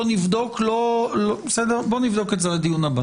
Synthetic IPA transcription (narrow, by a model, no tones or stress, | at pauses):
onivd̪o̞klolobesedeʁbo̞nivd̪okezeledijunaba